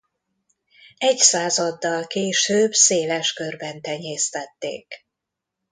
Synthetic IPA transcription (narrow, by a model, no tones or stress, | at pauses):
ɛɟsaːzɒd̪ːɒlkeːʃøːbseːlɛʃkørbɛnt̪ɛɲeːst̪ɛt̪ːḛːk